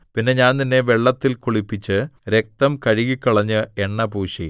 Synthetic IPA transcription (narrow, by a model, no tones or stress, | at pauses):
pinːe̞ɲaːnt̪inːe̞ʋe̞ɭːɐt̪ːilkuɭipːit͡ɕːɨɾe̞k̚t̪ɐmkɐɻiɣikːɐɭɐɲːɨeɳːɐbuːɕi